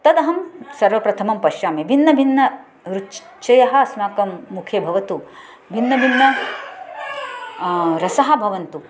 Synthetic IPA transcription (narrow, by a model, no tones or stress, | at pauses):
t̪ɐd̪ɐɦɐmsɐɾʋɐpɾɐt̪ʰɐmɐmpɐʃjaːmebʱinːɐbʱinːɐ | ɾu | t͡ʃɐjɐɦɐ̆ɐsnaːkɐmːukʰjebʱɐʋɐt̪u | bʱinːɐbʱinːɐ | ɾɐsɐɦɐ̆bʱɐʋɐnt̪u